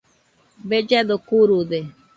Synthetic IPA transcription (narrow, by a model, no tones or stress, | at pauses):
bed͡ʒed̪okuɾud̪e